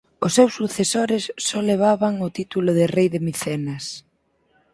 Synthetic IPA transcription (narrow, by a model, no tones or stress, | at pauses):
ʊsːewsːuθesoɾɪsːɔleβ̞aβaŋʊt̪it̪ulʊðɪrejðɪmiθɛnas